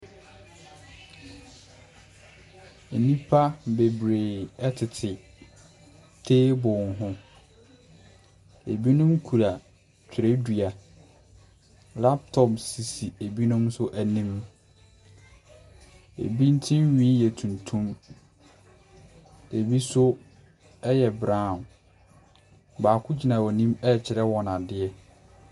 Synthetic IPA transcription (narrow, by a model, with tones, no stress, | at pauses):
e˨nĩ˦pʰa˦be˨bɾeː˨ɛ˦tʰɪ˨tʰɪ˨ | tʰeː˦bʊ̃˨nɦʊ̃˦ | e˨bi˦nʊ̃˦mkʰu˨ɾa˨ | t͡ɕᶣʰɪ˨ɾe˦di˨a˨ | la˦p̚tʰɔ˦˨psi˨si˨e˨bi˦nʊ̃˦msʊ˦ʔæ˨nĩ˦m | ḛ˨bi˦n̩˦tʰɪ̃˦nɥĩː˦jɛ˨tʰũ˨ntʰũ˦m | e˨bi˦sʊ˦ | ɛ˦jɛ˨bɾãː˦˨ | baː˨kʰʊ˦d͡ʑi˨nã˨wɔ˨nĩ˦mɛ˦˨t͡ɕʰɪ˨ɾɛ˦wɔ˨nã˨dɪ˨ɛ˦